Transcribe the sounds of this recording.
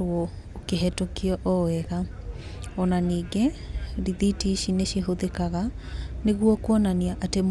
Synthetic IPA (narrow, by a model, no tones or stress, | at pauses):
ɾwɔ | okeɦɛtokeɔʔɔɛɣa | ɔnaniːɡɛ | ɾiðitiʃineʃeɦoðekaɣa | neɣwɔkwɔnaniaʔatem